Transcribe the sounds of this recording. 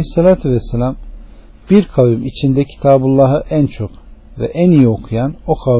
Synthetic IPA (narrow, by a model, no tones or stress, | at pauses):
sːalʲaːt̪ʰyvɛsːelʲam | b̥iɾkʰavumit͡ʃʰind̪ɛcʰi̥t̪ʰaːbulˠːaɦɯʔænt͡ʃʰo̞kvɛ̰ʔænijio̞kʰujanokʰa